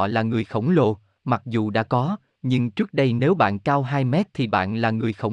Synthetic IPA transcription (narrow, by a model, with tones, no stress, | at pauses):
laː˨˩ŋɨ˨˩əjxə˧˩wŋ͡mlo˧˩ | ma˨˩k̚zu˨˩ɗa̰ː˧˥kɔ˨˦ | ɲɨ˧ŋt͡ɕɨ˦˥ək̚ɗə˧jne˨˦wɓa̰ː˧˨nkaː˧wɦaː˧jmɛ˦˥t̚t̪ʰi˨˩ɓa̰ː˧˨nlaː˨˩ŋɨ˨˩əjxə˧˩w